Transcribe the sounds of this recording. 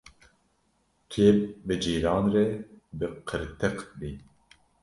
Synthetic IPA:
kʰeːp̚bɨd͡ʒiːɾɑːnrɛbɨqʰɨɾt̪ʰɨqbi

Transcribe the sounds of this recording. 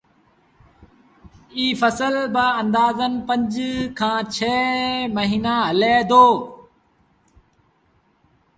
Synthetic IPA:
iːfəsəlbaːə̃nd̪aːzənpəɲd͡ʒkʰãːt͡ʃʰeːməɦiːnaːɦəleːd̪oː

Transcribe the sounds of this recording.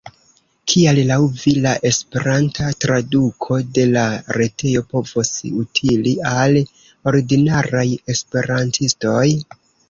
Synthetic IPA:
kʰiallawvilaʔe̞spe̞ɾantʰatɾadukʰo̞de̞laɾe̞te̞jo̞po̞vosutʰilial | o̞ɾiɡinaɾaje̞spe̞ɾantʰisto̞j

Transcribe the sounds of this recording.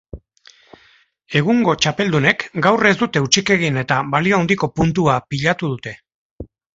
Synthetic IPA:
e̞ɣ̞uŋɡo̞t͡ʃape̞ld̪une̞kɡawre̞zd̪ut̪e̞ut͡ʃike̞ɣ̞ine̞t̪aβalio̞awnd̪iko̞punt̪uapiʎat̪uð̞ut̪e̞

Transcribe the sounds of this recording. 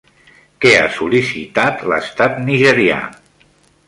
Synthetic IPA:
keasulisḭt̪at̪lə̰st̪at̪niʒəɾia̰

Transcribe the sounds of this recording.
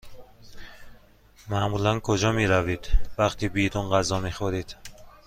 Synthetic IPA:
mamulankʰod͡ʒɒmiɾavid̪̥vaχt̪ʰibid̪unʁazɒmiχoɾid̪̥

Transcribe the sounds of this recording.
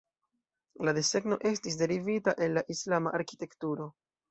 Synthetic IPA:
ladese̞ɡno̞ʔe̞stis̬de̞ɾivitaʔe̞lːaʔislamaʔaɾki̥te̞ktuɾo̞

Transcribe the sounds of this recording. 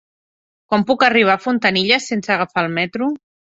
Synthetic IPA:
kwampukəriβ̞afunt̪əniʎəsensəɣafalˠmɛt̪ɾu

